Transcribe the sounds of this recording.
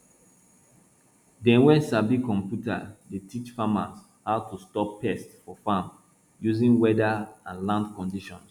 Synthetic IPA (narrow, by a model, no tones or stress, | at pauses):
dɛ̃nwɛ̃nsabikɔ̃mpjuta̰detʰit͡ʃfamas | haʊtʰustɔpʰːɛstfɔfãm | juzĩnwɛdaãnlãndkɔ̃ndiʃɔ̃ns